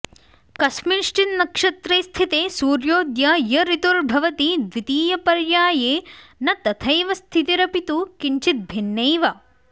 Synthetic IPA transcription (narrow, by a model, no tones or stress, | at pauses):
kɐsminiʂʈinːɐkʂɐt̪ɾeːst̪ʰit̪eːsuːɾjoːd̪jɐjɐɾit̪uɾbʱɐʋɐt̪id̪ʋit̪iːjɐpɐɾjaːjeːnɐt̪ɐt̪ʰɐjʋɐst̪ʰit̪iɾɐpit̪ukiɲt͡ʃit̪̚bʱinːɐjʋɐ